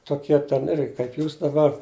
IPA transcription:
toːˈkʲiɛ tʲɛn ˈɪrʲɡʲɪ kɐɪp ˈjuːs dɐˈbɐr

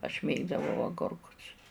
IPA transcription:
ɐʃ ˈmʲeːɡdɐʋɐʊ ɐˈɡoːrkʊs

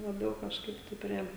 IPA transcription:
lˠɐˈbʲɛʊ kɐʃˈkɐɪp tɐɪ ˈpʲrʲiɛ

